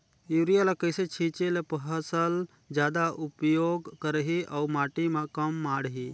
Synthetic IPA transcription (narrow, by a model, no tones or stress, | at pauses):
uɾijalakəjset͡ʃʰĩt͡ʃelepəɦəsəl | d͡ʒjaːd̪aʔupjoɡkəɾɦiʔaumaːʈimakəmːaːɽɦi